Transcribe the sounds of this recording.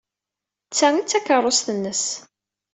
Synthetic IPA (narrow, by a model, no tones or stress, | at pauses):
t͡sːæŋit͡sːækərˤːosθənːəs